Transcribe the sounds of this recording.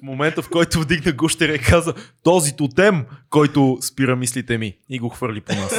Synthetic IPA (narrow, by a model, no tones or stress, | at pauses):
momɛnt̪əfkɔjt̪ʊvd̪iɡnəɡuʃt̪ɛɾɛkʰazət̪ɔzit̪ʊt̪ɛmkɔjt̪ʊspiɾəmislit̪ɛmiiɡoxvɤɾliponas